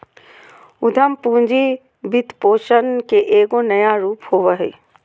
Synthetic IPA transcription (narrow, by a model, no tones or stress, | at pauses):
ʊd̪ʱəmpũːɲd͡ʑi | bɪt̪poːʃənkeʔeːɡonɐjaɾuːphoʋəɦḛː